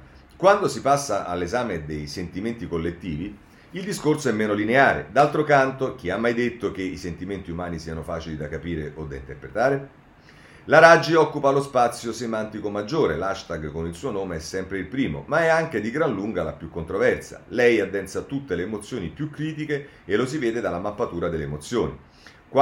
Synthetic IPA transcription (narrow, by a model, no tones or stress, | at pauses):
kwand̪osipasːaʔa̰lːezaːmed̪ejsent̪iment̪ikolːet̪ːiːvi | ild̪iskorsoɛmːeːnolineaːɾḛd̪alt̪ɾokant̪ok̟iamːajd̪et̪ːok̟eisent̪iment̪iumaːnisiːanofaːt͡ʃilid̪akːapiːɾeʔod̪aint̪erpɾet̪aːɾe | laɾad͡ʒiɔkːupalospat̪sːjosemant̪ikomad͡ʒːoːɾelaʃt̪aɡkonilsuːonoːmeɛsːɛmpɾeilpɾiːmo̰maɛaŋk̟ed̪iɡɾanluŋɡalapjukːont̪ɾovɛrsa̰lɛjad̪ːɛnt̪sat̪ut̪ːeleːmot̪sːjoːnipjukːɾiːt̪̬ikeː | losivɛːd̪ed̪alːamapːat̪uːɾad̪elːemot̪sjoːnḭ | kwa